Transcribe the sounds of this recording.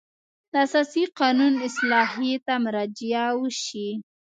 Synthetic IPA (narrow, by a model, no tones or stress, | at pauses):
d̪əasɑsiqɑnunɪslɑɦit̪amʊɾɑd͡ʒjawəʃi